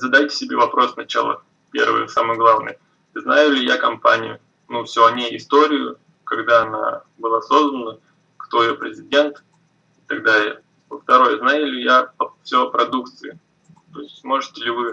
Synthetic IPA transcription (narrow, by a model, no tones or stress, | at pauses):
zɐd̪ajtʲɪ̥sʲɪbʲe̞vɐpɾʔo̞sːnɐt͡ɕa̰lˠə̰ | pʲe̞̰rvɨ̰jə̰samɨjɡlˠavnɨ̰j | znajʊlʲɪjakɐmpanʲɪ̰jʊ̰ | nufsʲoɐnʲeɪst̪o̞ɾʲɪjʊ̰ | kɐɡd̪aɐna̰ | bɨlˠaso̞znənə | kt̪o̞ɪjopɾʲɪzʲɪdʲe̞nt̪ | ɪt̪ɐɡd̪ajj | əft̪ɐɾo̞jəznajʊlʲɪjapəfsʲopɾɐd̪ukt̪sɨjɪ | t̪o̞ɪsʲtʲsmo̞ʐɨtʲɪlʲɪvɨ